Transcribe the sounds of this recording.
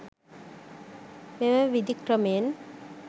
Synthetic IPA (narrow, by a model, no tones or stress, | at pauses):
memɛʋid̪ikɾəmeːn